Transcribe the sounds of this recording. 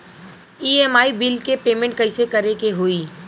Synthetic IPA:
iːeːmaːibɪlkepeːmẽɳʈ̚kɐɪsekɐɾekeɦoːiː

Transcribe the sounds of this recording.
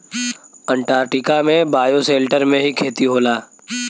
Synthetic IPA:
ə̃ɳʈaːɾʈɪkamẽbaːjoseːlʈəɾmẽɦikʰeːt̪iɦoːlaː

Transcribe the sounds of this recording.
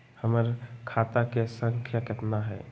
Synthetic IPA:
həməɾkʰaːt̪akesə̃ŋkʰjakət̪naɦɛ̰ː

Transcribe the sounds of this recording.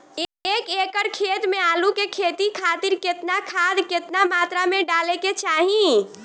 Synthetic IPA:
eeːkeːkəɾkʰeːt̪mẽaːlukekʰeːt̪ikʰaːt̪ɪɾkɪt̪nakʰaːd̪kɪt̪namaːt̪ɾamẽɖaːleket͡ʃaːɦĩ

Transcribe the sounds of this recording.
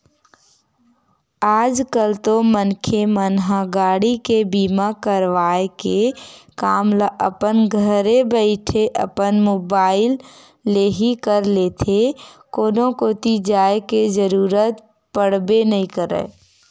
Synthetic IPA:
aːd͡ʒkəlt̪omənkʰemənɦaɡaːɽikebiːmakəɾʋaːekekaːmlaʔəpənɡʱəɾebəɪʈʰeʔə̰pənmoːbaːɪlː | eːɦikəɾleːt̪ʰekoːnõkoːt̪id͡ʒaːeked͡ʒəɾuːɾət̪ | pəɽ̤benəɦĩkəɾə̰ː

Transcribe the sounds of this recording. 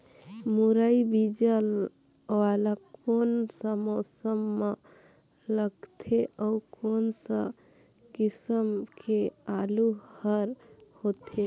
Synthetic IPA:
muɾəibid͡ʒəl | alakonsə̃mosəmːə | ləɡt̪ʰeʔəukonsə̰̃ | kisəmkʰealuhəɾhot̪ʰe

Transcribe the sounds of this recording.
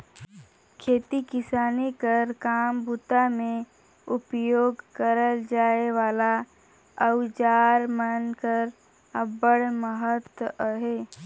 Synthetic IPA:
kʰeːt̪ikɪsaːnikəɾkaːmbut̪amẽ | ʊpjoːɡkəɾəld͡ʒaːeʋaːla | əwd͡ʒaːɾmənkəɾ | əbəɽməɦət̪wəɦeː

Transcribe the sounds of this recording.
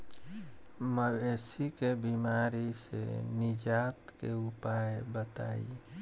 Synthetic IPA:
məbesikebimaɾisḛnɪd͡ʒat̪kḛʊpaebət̪a̰ḭ

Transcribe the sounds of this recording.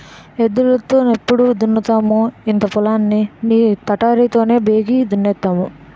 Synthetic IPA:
ed̪ulɐt̪oːnepːuɽud̪unːɐt̪aːmuint̪ɐpulaːnːiniːt̪ɐʈaːɾiːt̪o̞ːne̞ːbe̞ːɡiːd̪unːɛt̪ːaːmu

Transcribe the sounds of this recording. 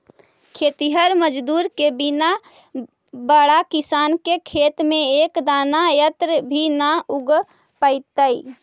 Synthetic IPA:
kʰet̪iɦəɾməd͡ʒd̪uɾkebina | bəɽakisankekʰet̪meekd̪anajət̪ɾəbʱinauɡ | pəɪt̪əj

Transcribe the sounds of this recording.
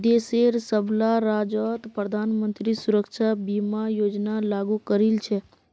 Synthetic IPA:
d̪eseɾsəblaɾad͡ʒɔt̪pɾəd̪ʱanmənt̪ɾisuɾəkʃʰabimajod͡ʒnalaɡukəɾilt͡ʃʰe

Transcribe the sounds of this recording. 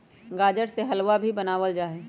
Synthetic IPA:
ɡaːd͡ʒəɽseɦɐlʋabʱibɐnaːʋəld͡ʒaːɦeː

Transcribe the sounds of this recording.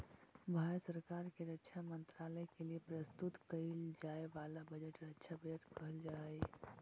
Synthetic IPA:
bʱaɾət̪səɾkaɾkeɾəkːt͡ʃʰamənt̪ɾaləkeliepɾəst̪ut̪kəɪld͡ʒaeʋalabəd͡ʒəʈɾəkːt͡ʃʰabəd͡ʒəʈkəɦəld͡ʒa

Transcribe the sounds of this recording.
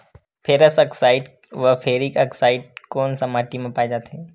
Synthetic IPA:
pʰeːɾəsəksaːɪɖ | ʋəpʰeːɾikəksaːɪɖkoːnsɐmaːʈimẽpaːed͡ʒaːt̪ʰe

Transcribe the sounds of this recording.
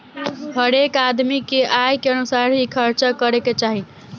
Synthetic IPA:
ɦəɾekad̪mikeʔajkeənusaɾɦikʰəɾt͡ʃəkəɾeket͡ʃaɦi

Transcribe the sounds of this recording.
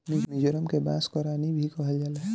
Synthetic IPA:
mɪknid͡ʒəɾəmkebaːskɔɾaːnibʱikɔɦəld͡ʒala

